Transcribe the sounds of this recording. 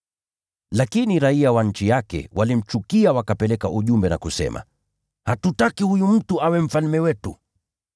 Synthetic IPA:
lakiniɾaiawan̩t͡ʃijakɛ̰wʔalim̩t͡ʃukiawakapɛlɛka̰ʔuʄumbɛna̰kusɛ̰mʔa̰ | hatutakihujum̩tuawɛm̩falmɛwɛtu

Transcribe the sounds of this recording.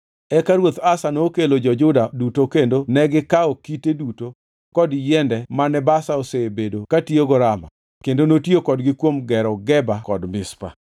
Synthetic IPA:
ɛkaɾwot̪asanokelod͡ʒɔd͡ʒʊdadutokendonɛɡɪkaɔkiteduto | kɔdjɛndɛmanɛbasaosebedokatioɡɔɾama̰ | kendonotjokɔdɡɪkwomɡɛɾɔɡɛbakɔdmɪspa̰

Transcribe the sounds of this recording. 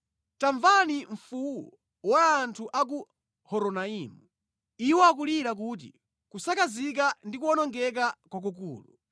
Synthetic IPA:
taɱvaniɱfuwu | waːntʰuʔak̬u | hɔɾɔnaimu | iwɔak̬uliɾak̬uːt̬ḭ | kusakazik̬andikuɔnɔŋɡɛk̬akwak̬uk̬ṵːlṵ

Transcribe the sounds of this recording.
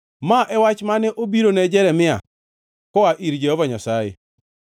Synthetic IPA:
maʔɛwat͡ʃmanɛʔobiɾonɛd͡ʒɛɾɛmɪa̰ | kɔaʔiɾd͡ʒehɔvaɲasajḛ

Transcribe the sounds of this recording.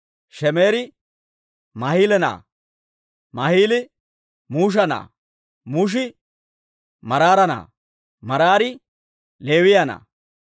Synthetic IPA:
ʃɛmeːɾɪ | mɐhiːlɛna̰ː | mɐhiːlɪ | muːʃ̬ɐna̰ː | muːʃ̬ɪ | mɐɾaːɾɐna̰ː | mɐɾaːɾɪ | le̞ːwɪjɐna̰ː

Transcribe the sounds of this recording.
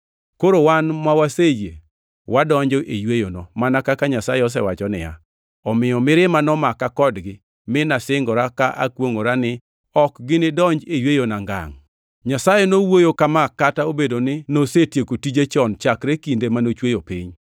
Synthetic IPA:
koɾowanmawasejḛ | wadɔɲd͡ʒɔʔejwejonɔmanakakaɲasajɛɔs̬ɛwat͡ʃɔnɪ̰ja̰ | ɔmɪjɔmɪɾɪmanɔmakakɔdɡɪ | mɪnasɪŋɡɔɾakaʔa̰kwoŋoɾanɪ | ɔkɡɪnɪdɔɲd͡ʒejwejonaŋɡa̰ŋ | ɲasajɛnowojokamakːataobedonɪnosetjekotid͡ʒet͡ʃɔnt͡ʃakɾekindemanot͡ʃwejopiɲ

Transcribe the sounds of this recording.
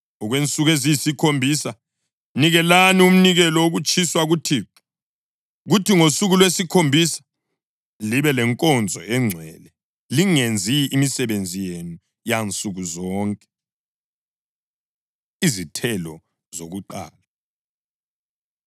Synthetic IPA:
ɔɣwent͡sʼuɣeziisikʰombʱisa | niɣɛlanium̩niɣɛlɔoɣut͡ʃʰʼiswaɣutʰi | ɣutʰiŋosuɣulwesikʰombʱisḁ | liβɛlɛŋkʼɔnd͡zʱɔɛŋ͡ǀʱwɛlɛ | liŋend͡zʱiːmisɛβend͡zʱijenu | jant͡sʼuɣuzɔːŋkʼɛ̥ | izitʰɛlɔ | zoɣuǃa̰ːla

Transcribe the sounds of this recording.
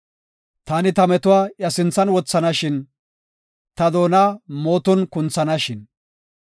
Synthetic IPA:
t̪aːnɪt̪ɐmɛt̪ʊwaːʔjɐsɪnt͡sːɐnwɔt͡sːɐnɐʃɪn | t̪ɐd̪o̞ːnaːmoːt̪ɔnkʊnt͡sːɐnɐʃɪn

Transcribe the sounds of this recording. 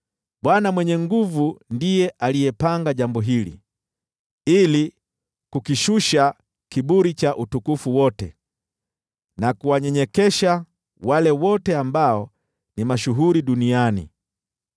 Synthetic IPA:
ɓwanamwɛɲɛŋɡuvundijɛʔalijɛpaŋɡaʄambɔɦilḭ | ili | kukiʃuʃa | kiɓuɾit͡ʃaʔutukufuwɔtɛ | nakuwaɲɛɲɛkɛʃa | walɛwɔtɛambaɔ | nimaʃuɦuɾiɗunianḭ

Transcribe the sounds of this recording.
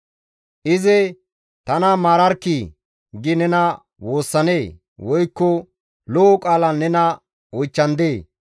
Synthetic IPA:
ʔɪzɛ | t̪ɐnɐmaːɾɐɾkːi | ɡɪnɛnɐ | wo̞ːsːɐneː | wɔjkːɔ | lɔɔkʼaːlɐnːɛnɐ | ɔjt͡ʃːɐnd̪eː

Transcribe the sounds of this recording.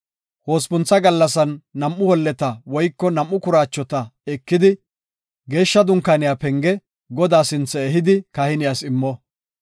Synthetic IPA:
ho̞ːspʊnt͡sːɐɡɐlːɐs̬ɐnːɐmʔːʊhɔlːɛt̪ɐwɔjkːɔnɐmːʊkʊɾaːt͡ʃːɔt̪ɐɛkːɪd̪ɪ | ɡe̞ːʃːɐd̪ʊŋkːanɪjaːpɛŋɡɛ | ɡɔd̪aːsɪnt͡sːɛɛɦɪd̪ɪkɐhɪnɪjasɪmːɔ

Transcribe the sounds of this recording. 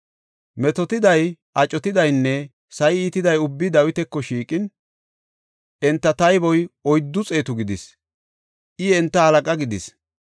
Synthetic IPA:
mɛt̪ɔt̪ɪd̪ɐjʔɐt͡ʃʼːɔt̪ɪd̪ɐjnːɛ | sɐjiːt̪ɪd̪ɐjʊbːɪd̪ɐwɪt̪ɛkːɔʃiːkʼɪn | ɛnt̪ːɐt̪ɐjbɔjɔjd̪ːʊt͡sʼe̞ːt̪ʊɡɪd̪ɪs | ʔɪɛnt̪ːɐhɐlɐkʼɐɡɪd̪ɪs

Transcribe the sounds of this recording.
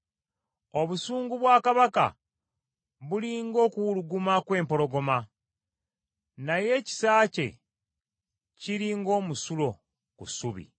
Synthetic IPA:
o̞βusuːŋɡuβwaːkaβaka̰ | βuliŋɡo̞ːkuwuluɡumakwe̞ːmpo̞ɾo̞ɡo̞ma | naje̞ːci̥saːce̞̰ | ciɾiːŋɡo̞ːmusulo̞ | kusuβḭ

